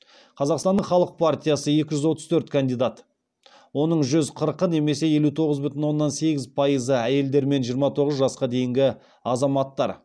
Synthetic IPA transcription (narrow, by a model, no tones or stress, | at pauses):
qʰɑzɑqst̪ɑnːəɴχɑlˠəq̚pʰart̪ʲijasəje̞kʲɪʒʏzwo̞t̪əz̥t̪ʰɵɾt̪kʰand̪ijd̪at̪ | wo̞nəɴʒʏzqʰəɾqəne̞me̞se̞je̞lut̪ʰo̞ʁəzbʏt̪ɪnwo̞nːɑnse̞ɡʲɪzpʰɑjəzəæje̞ld̪e̞ɾme̞nʒijəɾmɑt̪ʰo̞ʁəzʒɑsqɑd̪e̞jɪŋɡʲɪ | ɑzɑmɑt̪ːɑɾ